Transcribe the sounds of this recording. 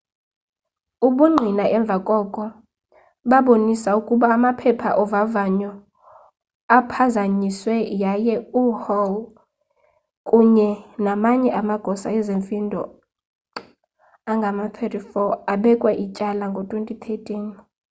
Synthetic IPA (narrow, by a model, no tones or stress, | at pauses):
uɓuŋ͡ǃʱinaʔɛɱb̪vʱakʼɔkʼɔ | ɓaɓonisaukʼuɓaːmapʰɛpʰaʔɔvavaɲɔ | apʰazaɲiswɛjajɛuhɔl | kʼuɲɛnamaɲɛʔamaɡ̥ʱɔsaɛzeɱfindʱɔ̰ | aŋɡʱamat̪ʰwɛtʼifɔaɓɛkʼwaʔit͡ʃʼalaŋɡʱɔtʼwentʼit̪ʰetʼin